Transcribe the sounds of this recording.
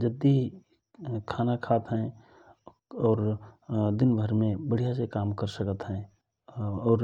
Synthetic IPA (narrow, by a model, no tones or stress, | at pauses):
d͡ʒəd̪ːi | kʰaːnakʰaːt̪ɦɛ̃ | ɔːɾd̪ɪnbʱəɾmẽbəɽ̤ijasekaːmkəɾsəkət̪ɦɛ̃ | ɔːɾ